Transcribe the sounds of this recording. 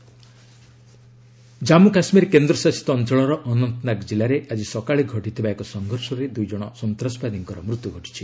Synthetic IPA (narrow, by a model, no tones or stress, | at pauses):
d͡ʒamukasmiɾkend̪ɾɔsasi̥t̪ːnt͡ʃɔɭɔɾɔʔɔnɔnt̪ɔnakd͡ʒilaɾeʔad͡ʒisɔkaɭeɡʱɔʈit̪ʰibaekɔsɔŋɡʱɔɾsɔɾed̪ujd͡ʒɔɽ̃ɔsɔnt̪ɾasɔpad̪iŋkɔɾɔmɾut̪juɡʱɔʈi̥t͡ʃʰi